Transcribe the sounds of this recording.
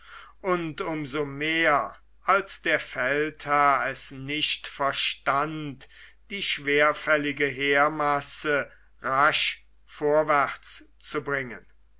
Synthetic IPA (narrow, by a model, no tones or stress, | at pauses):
ʔʊntʊmzomeːɐ | ʔalsd̥eːɐfɛlthaɐɛsnɪʃtfɛɐʃtantd̥iːʃv̥eːɐfɛlɪɡəɦeːɐmasə | ʁaʃ | foːɐvæχt͡s | t͡subʁɪŋən